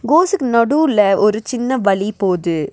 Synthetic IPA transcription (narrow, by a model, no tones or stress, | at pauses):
ɡoːsɯkːɯnɐɽuːlɐʔɔɾɯt͡ʃɪnːɐʋɐɭipoːðɯ